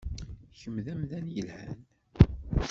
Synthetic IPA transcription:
çəmðæmðænjəlhæn

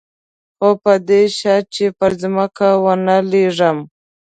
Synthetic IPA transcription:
xopəd̪eʃɑt͡ʃepəɾzməkawənəleʐəm

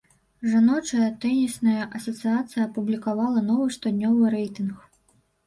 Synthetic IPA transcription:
ʐanɔt͡ʂɐjɐt̪ɛnʲisnɐjɐʔɐsɐt̪sɨjat̪sɨjɐɐpublʲikavalˠɐnɔvɨʂt̪ɔd̪ʲnʲɔvɨɾɛjt̪ɨnx

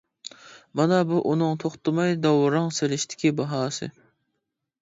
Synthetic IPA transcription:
mɑnɑbuʔunɨŋt̪ʰoχt̪ɨmɑjd̪ɑwɾɑŋselɪʃt̪ʰɪ̥kʲibɑɦɑːsɨ̰

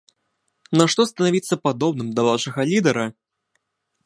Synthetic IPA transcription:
nɐʂt̪ɔst̪ɐnavʲit̪sːɐpad̪ɔbnɨmd̪ɐvawʂɐɣɐlʲid̪ɛɾɐ

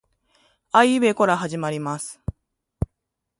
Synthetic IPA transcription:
aiɯβe̞ko̞ɾaɦaʑimaɾʲimasɨ̥

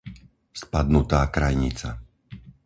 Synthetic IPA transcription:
spad̪nut̪aːkɾajɲit͡sa

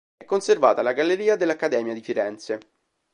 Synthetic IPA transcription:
ɛkːonservaːt̪alaɡalːeɾiːad̪elːakːad̪ɛːmjad̪ifiɾɛnt̪se

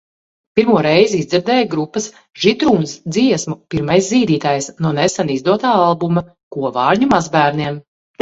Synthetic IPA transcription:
piɾmuɔɾɛjzizd̪ziɾd̪ɛːjɡɾupːɐs | ʒ̥id̪ɾuːnsd̪ziɛsmupiɾmajsziːd̪iːt̪aːjsnuɔnesanizd̪uɔt̪aːalˠbumɐ | kuɔvɑːɾɲumazbæːɾniɛm

